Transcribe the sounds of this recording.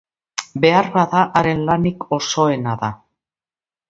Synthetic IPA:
be̞arβaðaʔaɾe̞nlaniko̞so̞e̞naða

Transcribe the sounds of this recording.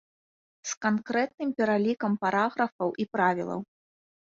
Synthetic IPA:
skankɾɛt̪̚nɨmpʲɛɾalʲikɐmpaɾaɣɾɐfɐwʔipɾavʲḭlˠɐ̰w

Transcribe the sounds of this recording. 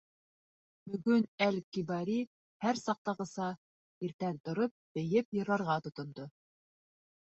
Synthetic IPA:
bɵ̆ɡɵnælkibɑɾi | hæɾsɑq̚t̪ɑʁɤ̆sɑ | iɾt̪ænt̪ŏɾop̚b̥ɘ̆jɘpjɤ̆ɾɑɾʁɑt̪ŏt̪ŏnd̪o

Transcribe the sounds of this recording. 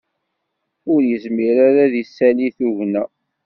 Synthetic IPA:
ʊɾjəzmiɾaɾaðisːæliθuʝnæ

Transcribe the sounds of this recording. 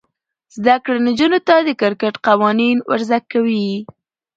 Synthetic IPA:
zd̪akɽanad͡ʒunot̪ad̪əkɪɾkəʈqawɑninwa̰ɾzakːawi

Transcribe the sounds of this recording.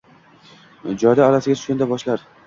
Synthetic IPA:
d͡ʒɒjd̪aːlasɪɡʲat̪ʰʊ̥ʃkʲand̪abɒʃlaɾ

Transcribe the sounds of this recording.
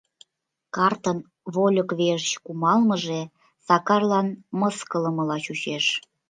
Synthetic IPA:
kɑrt̪ən | βolʲəkβeʒət͡ɕkumɑlməʒe | sɑkɑrlɑnmɤskələməlɑt͡ɕut͡ɕeʃ

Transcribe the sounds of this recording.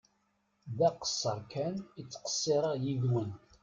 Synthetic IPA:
ðæqə̥sˤːəɾkʰænit͡sːqə̥sˤːeɾˤɑjiðwən

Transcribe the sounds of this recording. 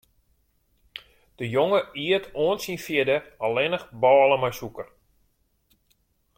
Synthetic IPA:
d̥əjoŋəiətʰoənsinfjɪdəɔlɪnəxbɔːləmajsukər

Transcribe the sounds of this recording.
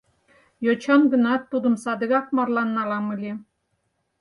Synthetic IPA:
jot͡ɕɑnɡə̆nɑt̪ːud̪əmsɑd̪əɣɑkmɑrlɑnːɑlɑmɯlʲe

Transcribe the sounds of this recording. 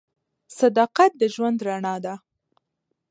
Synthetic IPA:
sad̪ɑqat̪̚d̪əʒwand̪ɾaɳɑd̪a

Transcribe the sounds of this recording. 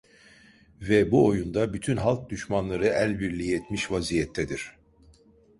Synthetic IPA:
vɛbuo̞jund̪abyt̪ʰynɦalˠk̚d̪yʃmanlˠaɾɯælʲbiɾlʲijiɛt̪miʃvazijɛt̪ʰːɛd̪iɾ̥

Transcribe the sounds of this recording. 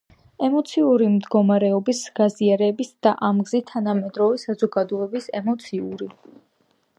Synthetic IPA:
ɛmɔt̪sʰiuɾimd̪ɡɔmaɾɛɔbisɡ̥aziaɾɛbisd̪̥aʔamɡzit̪ʰanamɛd̪ɾɔvɛsazɔɡad̪ɔɛbisɛ̰mɔt̪sʰiuɾi

